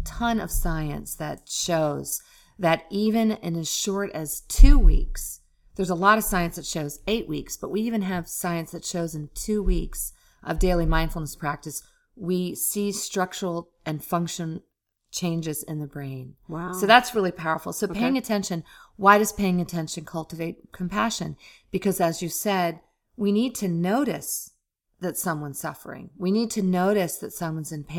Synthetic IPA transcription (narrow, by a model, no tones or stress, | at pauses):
tʰʌ̃nʌ̰v̥saɪɨ̰̃nsðɨt̚ʃoʊz̥ | ðɨɾivɨ̃nɪ̰̃nɨz̥ʃɔɹɾɨz̥tʰʉwḭks | ðə˞zəlɔɾʌv̥saɪɨ̃nsðɨtʃoʊzeɪʔ̚wiksb̥ʌʔ̚wiivɨ̃nɨv̥saɪɨ̃nsðɨtʃoʊzɨ̃ntʰʉwiks | ʔʌvdeɪlˠimãɪ̃nd̥fl̩ˠnəspʰɹ̥æk̚tɨs | wisistɹ̥ʌk̚t͡ʃə˞l̩ˠ | ɨ̃nfʌ̃ŋkʃɨ̃n̩ | t͡ʃʰẽɪ̃nd͡ʒɨzɨ̰̃nðɨbɹẽɪ̃nsoʊðætsɹɪlˠipʰaʊə̰˞fl̩ˠsoʊpeɪɪ̃ŋɨtʰɛ̃nʃɨ̃nwaɪɾʌz̥pʰeɪɪ̃ŋɨtʰɛ̃nʃɨ̃nkʰʌlˠtɨveɪt̚kʰm̩pʰæʃɨ̃nb̥ɨkʰʌzɨzjɨsɛd̚ | winid̚tʰɨnoʊɾɨs | ðɨtsʌ̃mwʌ̃nz̥sʌfə̰˞ɪ̰̃ŋwinid̚tʰɨnoʊɾɨsðɨtsʌ̃mwʌ̃nzɨ̃npʰe